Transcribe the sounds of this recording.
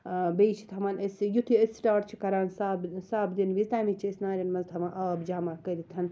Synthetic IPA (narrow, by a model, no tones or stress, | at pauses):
bejt͡ʃʰi̥t̪ʰɦɐmaːnesjut̪ʰiesʈaːʈt͡ʃʰikɐɾaːnsaːbsaːbd̪inʋizt̪aːmit͡ʃʰiesnaːɾʲɐnmɐzt̪ʰɐmaʔaːbd͡ʒaːmakɐɾit̪ʰɐn